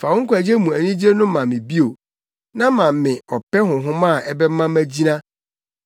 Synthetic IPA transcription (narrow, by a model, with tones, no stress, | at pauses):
fa˨wʊ˦ŋ̩˦kʰʷæ˨d͡ʑe˦mũ˨æ˨nĩ˦d͡ʑe˦nʊ̃˦mã˨mːɪ̃˨bi˦o˨ | nã˦mã˨mmɪ̃˨ɔ˨pɛ˦ɦʊ̃˨ɦʊ̃˦mã˦˨ʔɛ˦bɛ˦mã˦mæ˦d͡ʑi˦nã˦